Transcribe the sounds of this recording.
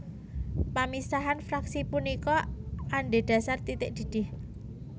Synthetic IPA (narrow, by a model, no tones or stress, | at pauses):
pamisaɦanfɾaksipunikɔʔaɳɖeɖ̥a̤sart̪it̪ɪk̚d̪̥i̤d̪̥ɪh